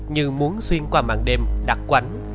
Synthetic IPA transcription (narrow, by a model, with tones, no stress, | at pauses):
ɲɨ˧mu˨˦ənswi˧ənkwaː˧˩ma̰ː˧˨ŋɗe˧mɗa̰˨˩k̚kwa˨˦n